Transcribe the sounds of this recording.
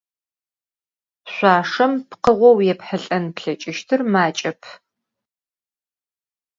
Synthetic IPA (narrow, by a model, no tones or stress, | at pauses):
ɕʷaːʂɐmpqəʁʷɔwjɛpħəɬʼɐnpɬɐt͡ʃʼɪʃtʰɨrmaːt͡ʃʼɐpʰ